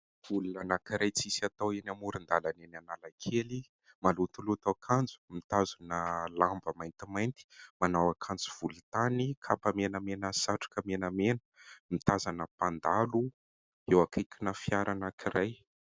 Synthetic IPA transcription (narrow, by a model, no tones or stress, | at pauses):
vulunanakiɾajt͡sisat̪awenamuɾind̪alanenanalakʰeli | malut̪ulut̪awakʰand͡zu̥mit̪azunəlambəmajnt̪imajnt̪i̥manawakʰand͡zuv̥ult̪anikʰapəmenəmenəsaʈ͡ʂḁkəmenəmenə̥mit̪azanəpand̪alu | ewakʰajkinəfiaɾanakʰiɾaj